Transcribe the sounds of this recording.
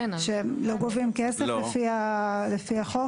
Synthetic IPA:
ʃeemloɡovimkeseflefialefiaχo

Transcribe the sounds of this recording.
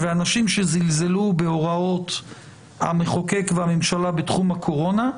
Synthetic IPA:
veanaʃimʃezilze̞lubeo̞ʁao̞t̪ | a̰meχoke̞kveamemʃalabet̪χumhakʰo̞ʁo̞na

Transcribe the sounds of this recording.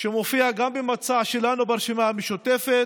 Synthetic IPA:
ʃemofiaɡambemat͡saʃelanubeaʁʃemaameʃot̪efet̪

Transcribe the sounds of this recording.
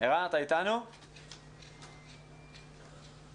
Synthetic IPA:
eɣanat̪ajt̪anu

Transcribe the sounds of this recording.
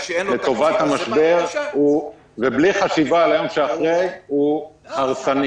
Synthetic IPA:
let̪o̞vat̪hamaʃbe̞ʁu | vebliχaʃivalajomʃeaχʁejuaʁsani

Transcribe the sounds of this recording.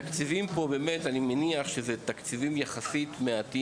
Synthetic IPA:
akt͡sivimpo̞beːmet̪animeniaχʃezet̪akt͡sivimjaχasit̪meat̪i

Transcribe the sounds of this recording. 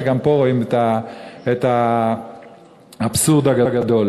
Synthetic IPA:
ɡampo̞ʁoimet̪aet̪a | absuʁd̪aɡaɡad̪o̞l

